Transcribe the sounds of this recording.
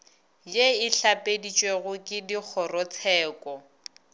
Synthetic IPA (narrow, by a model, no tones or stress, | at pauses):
jeɪɬapʼedit͡ʃʼweɣʊkʼɪdik͡xʰɔrɔt͡sʰɛːkʼɔ